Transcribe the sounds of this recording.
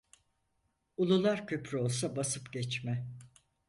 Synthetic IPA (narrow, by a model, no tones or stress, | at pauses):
ulˠulˠaɾcʰøpɾyo̞lˠsabasɯpɟɛt͡ʃmɛ